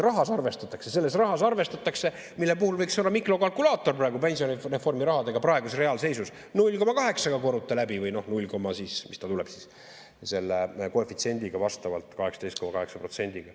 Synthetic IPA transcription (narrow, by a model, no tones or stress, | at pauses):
rɑɦɑsɑrve̞st̪ɑt̪ːˑɑksese̞lːe̞srɑɦɑsɑrve̞st̪ɑt̪ːˑɑkse̞ | milːe̞puhulvɤ̞jksonlːɑmikro̞kɑlkulɑːt̪ːˑo̞rprɑeɡupe̞nʲsiorefo̞rmiɾɑhɑd̪e̞ɡ̥ɑprɑeɡusre̞ɑːlse̞jsus | nulʲko̞mɑkɑɦe̞ksɑɡ̥ɑko̞ɾut̪ːˑelæbivɯjno̞hnulʲko̞mːɑsismist̪ɑt̪ulɛb̥sis | se̞lːeko̞efit̪sie̞nʲd̪iɡ̥ɑvɑst̪ɑvɑ̰lt̪ːˑkɑhe̞ksɑd̪̥ejst̪̚ko̞mɑkɑɦe̞ksɑpro̞t̪se̞nʲd̪̥iɡ̥ɑ